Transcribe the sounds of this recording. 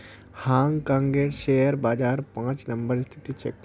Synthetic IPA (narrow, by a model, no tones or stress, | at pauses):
haŋkaŋɡeʈʃejəɾbad͡ʑaɾpãt͡ɕnəmbəɾst̪ʰi̥t̪it͡ɕḛk̚